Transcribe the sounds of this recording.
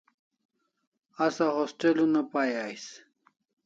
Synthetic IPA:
ɐsaɦosʈelunɐpaːjajs

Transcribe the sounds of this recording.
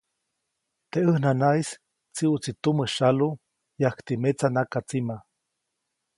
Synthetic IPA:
t̪eəhnanais | t͡siut͡sit̪uməʃalu | jahkt̪imet͡sanakat͡sima

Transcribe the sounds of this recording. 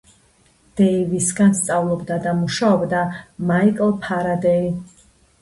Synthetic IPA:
d̪̥ɛivisɡanst̪sʼavlˠɔbd̪ad̪amuʃaɔbd̪amaikʼlˠpʰaɾad̪ɛi

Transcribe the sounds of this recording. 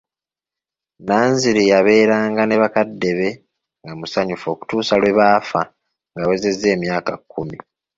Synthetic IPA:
naːɲziɾijaβe̞ːɾaːŋɡane̞βakadːe̞βe̞ | ŋɡamusaɲufo̞ːku̥tuːsalwe̞βaːfa | ŋɡawe̞ze̞zːe̞ːmjaːkakːumi

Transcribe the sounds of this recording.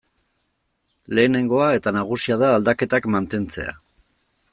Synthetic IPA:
le̞ːne̞ŋɡo̞ae̞t̪anaɣ̞usiað̞aːld̪ake̞t̪akmant̪e̞nt͡se̞̰a̰

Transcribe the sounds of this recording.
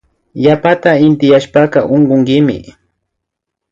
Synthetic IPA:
japat̪aɪnt̪ɪjaʃpɑqɑʔoɴɢoŋkɪmɪ̰

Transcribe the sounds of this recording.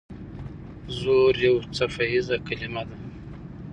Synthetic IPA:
zoɾjawt͡safaizakalimad̪a

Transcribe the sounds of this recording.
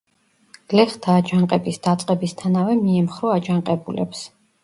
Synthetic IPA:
ɡ̥lɛχt̪ʰaːd͡ʒaɴqʼɛbisd̪at̪sʼqʼɛbist̪ʰanavɛmiɛmχɾɔad͡ʒaŋqʼɛbulɛ̰ps

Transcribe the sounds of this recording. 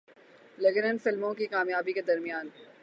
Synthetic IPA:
lɐɡənənfɪlmõkikaːmjaːbiked̪ɐɾmijaːn

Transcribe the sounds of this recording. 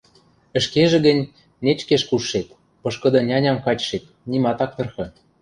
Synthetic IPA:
ə̆ʃkeʒĕɣə̆nʲ | net͡ɕkeʃkuʃːet̪ | pɤ̆ʃkɤ̆d̪ɤ̆nʲɑnʲɑmkɑt͡ɕʃet̪̚ | nʲimɑt̪ɑk̚t̪ɤ̆rxɤ̆

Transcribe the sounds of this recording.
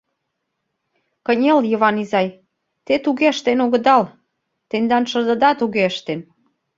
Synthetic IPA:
kənʲə̆ljəβɑnizɑj | t̪et̪uɣeəʃt̪enoɣə̆d̪ɑl | t̪end̪ɑnʃə̆rd̪ə̆d̪ɑt̪uɣeəʃt̪en

